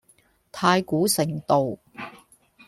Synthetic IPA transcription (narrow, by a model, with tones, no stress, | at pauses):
t̪ʰaː˧jkuː˨˥sɪ˨˩ŋt̪o˨w